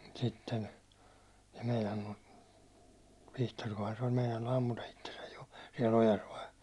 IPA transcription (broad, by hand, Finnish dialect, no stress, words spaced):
sitːen se̥ meinɑnːu ʋihtorkohɑn se olʲ meinɑinu ɑmːutɑ itːesæj jo siɛl ojɑs ʋɑi